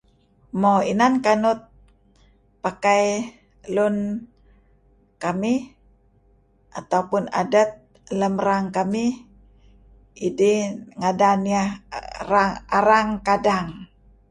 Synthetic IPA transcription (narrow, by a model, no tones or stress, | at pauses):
moinankanʊt̪̚ | pakaj | lun | kami | ʔat̪aupʊna̰dat̪̚ | ləmɾaŋkami | idiŋadania | aaɾaŋkadaŋ